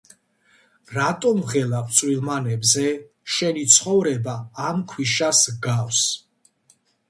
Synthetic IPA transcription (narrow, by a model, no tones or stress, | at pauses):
ɾat̪ʼɔmʁɛlakʼt̪sʼwilˠmanɛbzɛ | ʃɛnit̪sʰχɔvɾɛbaamkʰwiʃasɡaws